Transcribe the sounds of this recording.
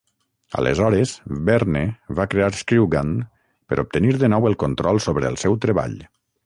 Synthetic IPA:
ə̰lə̰zɔɾəzbɛɾneβakɾeaɾskɾiwɣan | pəɾʔup̚t̪əniɾðənɔwəlˠkont̪ɾɔlˠsoβɾəːlˠsɛwt̪ɾəβa̰ʎ

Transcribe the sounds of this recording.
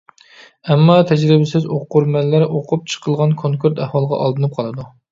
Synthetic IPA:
ɛmːɑt̪ʰɛd͡ʒɾɪbɪsɪzoqːʊɾmɛlːɪɾʔoqʰʊp̚t͡ʃʰə̥qʰəlˠʁɑnkʰoŋkʰuɾt̪ɛhwɑlˠəʁɑ̰ʔɑ̰lˠd̪ɨnɨp̚qʰɑlˠɨd̪u

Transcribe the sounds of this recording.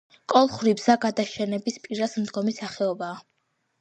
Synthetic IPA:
kʼɔlˠχɾibz̥aɡad̪aʃɛnɛbispʼiɾasm̩d̪ɡɔmisaχɛɔbaː

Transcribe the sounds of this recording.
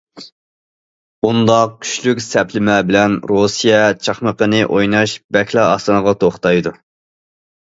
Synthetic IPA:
und̪ɑq̚kʲʰy̥ʃlykʲsɛpʰlɪmɛbɪlɛnɾosijɛt͡ʃʰɑχməqənɨʔojnɑʃbɛkʲʰlˠɑɑ̰st̪ɨnəʁɑt̪ʰoχt̪ɑjd̪u

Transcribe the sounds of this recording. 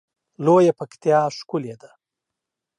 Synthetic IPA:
lojapəkt̪jɑːʂkʊled̪a

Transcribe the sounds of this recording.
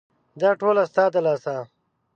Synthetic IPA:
d̪aːʈoːlɐst̪aːd̪ɐlaːsa

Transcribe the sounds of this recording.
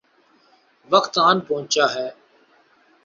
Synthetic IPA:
ʋəkt̪aːnpəɦʊ̃t͡ʃaːɦɛː

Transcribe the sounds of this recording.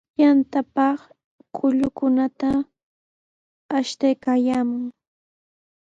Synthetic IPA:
jant̪apɑχ | kʊʎʊkʊnat̪a | ʃt̪ajkaːjaːmʊŋ

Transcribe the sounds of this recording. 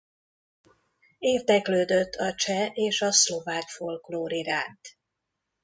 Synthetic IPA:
eːrd̪ɛkløːd̪øt̪ʰːɒt͡ʃɛʔeːʃɒslo̞vaːkfolkloːɾiɾaːnt̪

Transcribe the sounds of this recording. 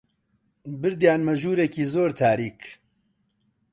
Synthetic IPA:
bɨɾd̪jaːnmɐʒuːɾɛkiːzoːɾt̪ʰaːɾiːk

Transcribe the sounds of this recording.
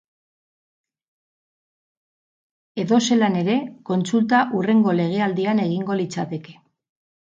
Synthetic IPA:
e̞ðo̞se̞lane̞ɾe̞ko̞nsult̪aʔure̞ŋɡo̞le̞ɣ̞e̞ald̪iane̞ɣ̞iŋɡo̞lit͡sat̪e̞ke̞̥

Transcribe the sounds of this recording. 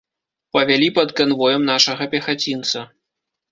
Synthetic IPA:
pɐvʲalʲipɐd̪kanvɔjɛmnaʂɐɣɐpʲɛxat͡sʲint̪sɐ

